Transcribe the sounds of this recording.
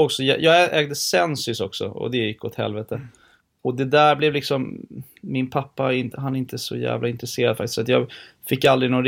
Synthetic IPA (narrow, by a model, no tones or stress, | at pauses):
ɔksɔjɑ̰jʔɑːʔɛːɡd̪əsɛnsʏsɔksɔ̰ɔ̰d̪ɛjɪkːɔt̪hɛ̰lvɛt̪ə | ɔd̪ɛd̪æɾblɛvlɪksɔmː | ɪnpʰapːaɪnt̪ɦanɛɾɪnt̪əsɔ̰jæ̰ːvlaɪnt̪ɾɛseːɾad̪fak̚t̪ɪsat̪jɑːɡfɪkːald̪ɾɪnɔnɾ